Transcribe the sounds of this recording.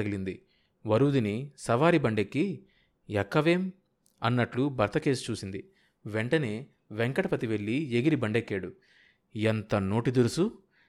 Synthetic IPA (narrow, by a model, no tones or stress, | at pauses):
ɐɡilind̪i | ʋɐɾuːd̪inisɐʋaːɾibɐɳɖe̞kːi | ɛkːɐʋe̞ːm | ɐnːɐʈlubʱɐɾt̪ɐke̞ːsu̥t͡ʃuːsind̪i | ʋeɳʈɐne̞ː | ʋeŋkɐʈɐpɐt̪iʋe̞ɭːieɡiɾibɐɳɖekːeːɽu | ɛnt̪ɐno̞ːʈid̪uɾusu